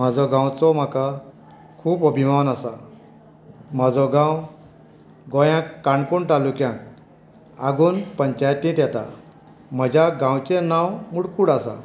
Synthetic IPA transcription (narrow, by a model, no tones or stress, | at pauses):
m̤ad͡zɔɡãw̃t͡sɔm̤aka | kʰuːpəbʱimawnasa | m̤ad͡zɔɡãw | ɡɔ̃jãkːaɳkuɳʈalukjãk | aɡuːnpəɲt͡ɕajt̪ĩt̪jɛt̪a̰ | m̤əd͡ʑaɡãwt͡ɕẽnawmuɽkuːɽasa̰